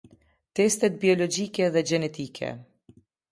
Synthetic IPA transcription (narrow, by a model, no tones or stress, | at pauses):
t̪ɛst̪ɛt̪̚biɔlɔd͡ʒiːkɛðɛd͡ʒɛnɛt̪iːkʰɛ̰